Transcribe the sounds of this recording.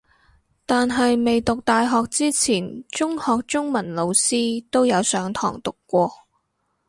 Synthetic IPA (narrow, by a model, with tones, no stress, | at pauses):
t̪aː˨nɦɐ˨jme˨jt̪ʊ˨k̚t̪aː˨jɦɔː˨k̚t͡siː˥t͡sʰiː˨˩nt͡sʊ˥ŋhɔː˨k̚t͡sʊ˥ŋmɐ˨˩nlo˨˧wsiː˥t̪o˥wjɐ˨˧wsœː˨˥ŋt̪ʰɔ̰ː˨˩ŋt̪ʊ˨kːʷɔː˧